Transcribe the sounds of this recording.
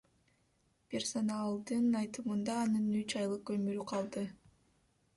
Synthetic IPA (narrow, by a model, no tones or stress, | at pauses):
pʲe̞rso̞nalˠd̪ɯnɑjt̪ɯmɯnd̪ɑːnɯnyt͡ʃɑjlˠɯkɵmyɾyqʰɑlˠd̪ɯ